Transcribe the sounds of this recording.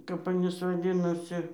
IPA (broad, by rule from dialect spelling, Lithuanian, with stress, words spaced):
kɐp ɐˈnʲiːs ʋɐˈdʲɪnoːsʲɪ